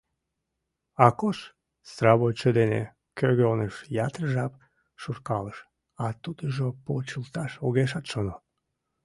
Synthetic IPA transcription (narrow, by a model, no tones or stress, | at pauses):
ɑkoʃ | srɑβojt͡ɕəd̪enḛ | køɣøonəʃjɑt̪rəʒɑp̚ | ʃurkɑləʃ | ɑt̪ud̪əʒopot͡ɕəlt̪ɑʃoɣeʃ̬ɑt̪ʃono